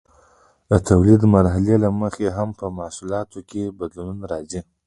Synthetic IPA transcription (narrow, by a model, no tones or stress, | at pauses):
d̪ət̪ʰawlid̪maɾɦalelaməxeɦampəmasulɑt̪ʰokʰʲebad̪lununaɾɑzi